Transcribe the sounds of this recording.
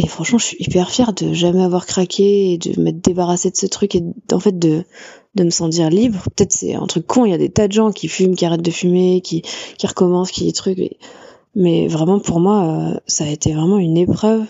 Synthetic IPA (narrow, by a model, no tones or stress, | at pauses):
efχɑ̃ʃmɑ̃əʃɥiʔipɛʁfjɛʁd̪əʒamɛavwaʁkχakʲʰeːd̪ə̰mɛt̪d̪ebaʁased̪əsət̪χyked̪ɑ̰̃fɛt̪̚d̪ə | d̪əməsɑ̃t̪iʁlibʁpə̥t̪ɛt̪χsɛ̰ɛ̰̃t̪χykːɔ̃ijad̪et̪ad̪əʒɑ̃kʲifymkʲiaʁɛt̪̚d̪əfymekʲikʲiʁəkɔmɑ̃skʲʰit̪χykḛ | mɛvʁɛmɑ̃pʰuʁmwaøsaːet̪evʁɛmɑ̃ynepχœv